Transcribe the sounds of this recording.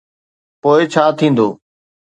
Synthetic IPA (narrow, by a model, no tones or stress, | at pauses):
poːɪt͡ɕʰaːt̪ʰĩːn̆d̪oː